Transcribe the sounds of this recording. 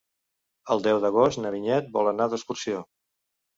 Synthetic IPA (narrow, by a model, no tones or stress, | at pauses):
əlˠd̪ɛwðəɣ̞ost̪nəβiɲɛt̪̚bɔ̰lˠənaðəskursio